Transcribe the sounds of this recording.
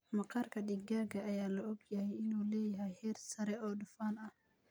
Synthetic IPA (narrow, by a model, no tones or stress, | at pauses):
mɐqaɾkʰɐɗiɡaːɡɐʔːjaːlɐɔɡjɐhɛjɪnuːlɛːjɐɦɛjhɛːrsɐɾɛɔːɗʊfaːnɐh